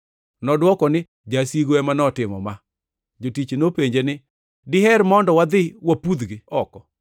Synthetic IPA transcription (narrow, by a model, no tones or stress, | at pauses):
nɔdwɔkɔnɪ | d͡ʒasiɡoɛmanɔtɪmɔ̰ma | d͡ʒotit͡ʃnopeɲd͡ʒenɪ | dɪɦɛɾmɔndɔwad̪ɪwapud̪ɡiɔkɔ